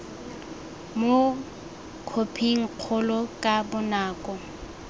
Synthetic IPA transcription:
mo | kʰopʰiŋ̩q͡χʰʊlɔkʼabʊnaːkʼɔ

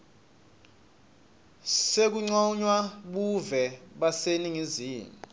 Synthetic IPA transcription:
sek̬uŋ͡ǀɔɲwaɓuvɛɓaseniŋiziːmi

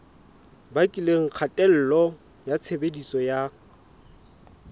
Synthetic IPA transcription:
bakʼileŋ̩q͡χʰatʼɛl̩lɔ | jat͡sʰebedisɔja

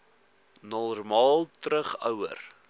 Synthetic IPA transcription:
nɔrmɑːlˠtɾəχœwə̰r

